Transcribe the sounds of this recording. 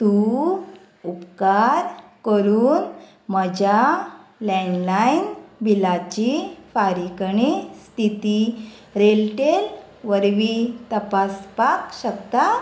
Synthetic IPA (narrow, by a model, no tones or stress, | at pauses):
t̪u | upkaɾkəɾuːn | məd͡ʑalɛ̃nlainbʱilat͡ɕifaɾikɳist̪ʰit̪i | ɾelʈel | ʋəɾʋit̪əpaspakɕəkt̪a